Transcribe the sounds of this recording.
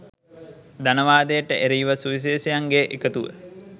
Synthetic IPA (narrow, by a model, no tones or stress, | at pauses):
d̪anəʋaːd̪əjəʈəʔeɾijʋəsuʋis̬eːsejaŋɡeʔekət̪uʋə̰